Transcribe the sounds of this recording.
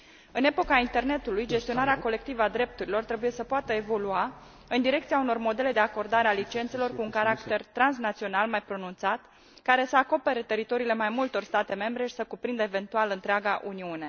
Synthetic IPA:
ɨne̞po̞kaint̪e̞rne̞t̪ulujd͡ʒe̞st̪io̞naɾeako̞le̞kt̪ivəad̪ɾe̞p̚t̪uɾilo̞rt̪ɾe̞buje̞səpoat̪əe̞vo̞lua | ɨnd̪iɾe̞kt̪siauno̞rmo̞d̪e̞le̞d̪e̞ako̞rd̪aɾe̞alit͡ʃe̞nt̪se̞lo̞rkuːŋkaɾakt̪e̞rt̪ɾansnat̪sio̞nalmajpɾo̞nunt̪sat̪ | kaɾe̞səako̞pe̞ɾe̞t̪e̞ɾit̪o̞ɾiːle̞majmult̪o̞rst̪at̪e̞me̞mbɾe̞ʃi̥səkupɾind̪əeve̞nt̪ualɨnt̪ɾeaɡaʔuniune̞

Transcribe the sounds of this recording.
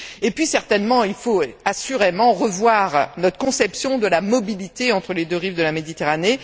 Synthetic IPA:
epɥisɛʁt̪ɛnmɑ̃ilfoasyʁemɑ̃ʁəvwaʁnɔt̪χə̥kɔ̃sɛpsjɔ̃d̪əlamɔbilit̪eɑ̃t̪χəled̪øʁivd̪əlamed̪it̪eʁane

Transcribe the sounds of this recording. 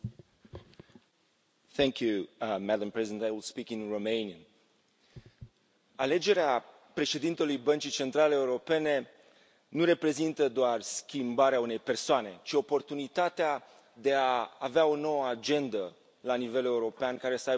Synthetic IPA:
θɛŋkjumæd̪əmpɹɛzid̪ent̪ajwilspikinromejniən | ale̞d͡ʒe̞ɾea | pɾe̞ʃe̞d̪int̪e̞lujbənt͡ʃijt͡ʃe̞nt̪ɾaleːuɾo̞pe̞ne̞ | nuɾe̞pɾe̞zint̪əd̪oarskʲimbaɾeaune̞jpe̞rsoane̞t͡ʃio̞po̞rt̪unit̪at̪ea | d̪e̞aːveao̞no̞wəad͡ʒe̞nd̪ə | lanive̞le̞uɾo̞peankaɾe̞səaj

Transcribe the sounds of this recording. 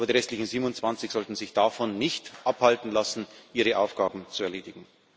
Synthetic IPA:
ʔaːbɐdiːʁɛstlɪçn̩ziːbmʊnt͡sv̥ant͡sɪçz̥ɔltn̩zɪçd̥afɔnːɪçtʔaphaltn̩lasn̩ʔiːʁəʔaʊfɡ̥aːbm̩t͡suɛɐleːdɪɡ̥ŋ̩

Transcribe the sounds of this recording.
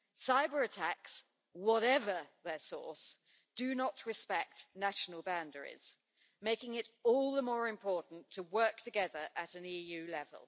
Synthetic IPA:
saɪbə˞ɨtʰaks | wɒɾɛvə˞ðəsɔ̰ɹs | d̥ɨnəʔɹɨspɛk̚tnaʃnəlˠbãndəɹɪ̰z̥ | meɪkɪ̃ŋɪɾɔlˠðəmɔːɹɪ̃mpʰɔɹʔn̩tʰəwɜˑ˞k̚tʰɨɡɛðə˞ʔəɾɨ̃nijʉlɛvə̰lˠ

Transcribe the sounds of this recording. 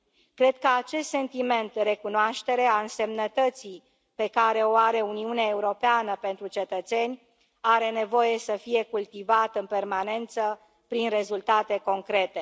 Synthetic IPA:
kɾe̞d̪̚kəat͡ʃe̞st̪se̞nt̪ime̞nt̪̚d̪eɾe̞kunoaʃt̪e̞ɾe̞aɨnse̞mnət̪ət̪si | pe̞kaɾe̞o̞aɾe̞uniuneae̞uɾo̞peanəpe̞nt̪ɾut͡ʃe̞t̪ət̪se̞nʲ | aɾe̞ne̞vo̞je̞səfije̞kult̪ivat̪ɨnpe̞rmane̞nt̪sə | pɾinre̞zult̪at̪e̞ko̞ŋkɾe̞t̪e̞

